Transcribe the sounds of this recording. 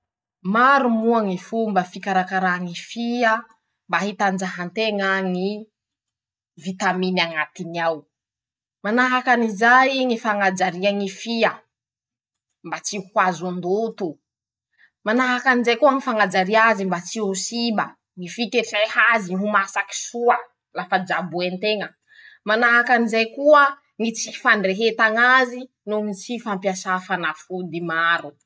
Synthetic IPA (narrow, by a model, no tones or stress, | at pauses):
maɾumuaŋifumbafikaɾakaɾaŋifia | mbaɦit̪and͡ʒaɦant̪eŋaŋi | vit̪aminaŋat̪inaw | manaɦakanizajiŋifaŋad͡ʒaɾiaŋifiə | mbat͡sihwazund̪ut̪u | manaɦakanizajkuəŋifaŋad͡ʒaɾiazimbat͡siusiba | ŋifikefahaziiɦumasaki̥suə | lafad͡ʒabuent̪eŋə | manaɦakanizajkuə | ŋit͡si̥faɳɖ͡ʐeɦet̪aŋazi | nuŋit͡sifampjasafanafud̪imaɾu